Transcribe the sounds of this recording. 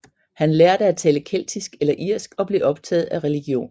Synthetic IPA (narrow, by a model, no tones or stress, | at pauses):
hænleɐɾ̥əæt͡sʰɛːləkʰel̰d̥isɡ̥elɐʔiɐ̰sɡ̥ɒ̽b̥liːʔɒ̽b̥̚t͡sʰɛ̰ːð̞̩ˠæʁɛliɡ̥jo̝̰ːn